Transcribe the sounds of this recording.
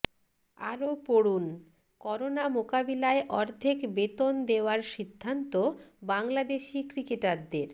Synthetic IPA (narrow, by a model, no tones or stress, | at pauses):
a̰ɾopoɽun | kɔɾonamokabilaeʔɔɾd̪ʱekbet̪ond̪eoaɾʃid̪ʱːant̪obaŋlad̪eʃikɾikeʈaɾd̪eɾ